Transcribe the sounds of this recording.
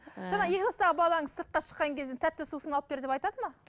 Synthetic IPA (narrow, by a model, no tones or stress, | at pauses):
ʒɑnɑje̞kʲɪʒɑst̪ɑʁəbɑlˠɑəɴəzsəɾt̪̚qɑʃə̥qːɑŋkʲʰezd̪ent̪ʰæt̪ːɪsusənɑlˠəp̚be̞ɾd̪e̞pɑjt̪ɑd̪əmɑ